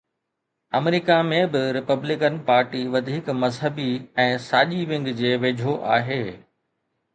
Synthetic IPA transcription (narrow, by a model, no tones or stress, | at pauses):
ɐmɪɾikamẽbɪɾɪpəblɪkənpaːɾʈiʋɐd̪ʱiːkmɐzɦəbiɛ̃ːsaːʄiʋɪ̃ŋɡd͡ʑeːʋeːd͡ʑʱoʔaːɦeː